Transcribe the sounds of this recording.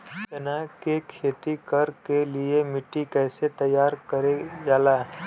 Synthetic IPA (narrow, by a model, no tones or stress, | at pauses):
tɐnakekʰeːt̪ikɐɾkeliemɪʈːikɛːset̪ɐjaːɾkɐɾeɡaːlaɦɛ